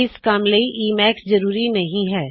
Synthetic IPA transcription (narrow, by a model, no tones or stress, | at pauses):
ɪskaːmlɐiʔiːmɛːkszɐɾuːɾinɐɦĩɦɛː